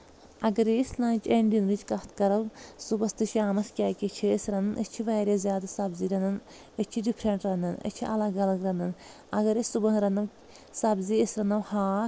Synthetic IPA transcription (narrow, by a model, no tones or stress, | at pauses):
ɐɡɐɾislɐːnʲt͡ʃeɳɖinɾit͡ʃkɐht̪ʰkɐɾɐlsubɐst̪ɨʃjaːmɐskʲaːkʲit͡ʃʰiːsɾɐnɨnʔət͡ʃʰiʋaːɾʲeːzʲjaːd̪asɐbziːɾɐnɐn | ɐt͡ʃʰiɖipʰɾeɳʈɾɐnd̪ɐnɐ̰t͡ʃʰiʔɐlɐɡɐlɐɡɾɐnd̪ɐn | ɐɡɐɾesʲsubɐnɾɐnɐw | sɐbziəsɾɐnɐʋhaː